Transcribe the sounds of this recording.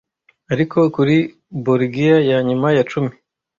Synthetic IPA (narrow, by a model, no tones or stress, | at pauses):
aɾikʰo̞kuɾi | boɾɡijajaɲumajat͡ʃumi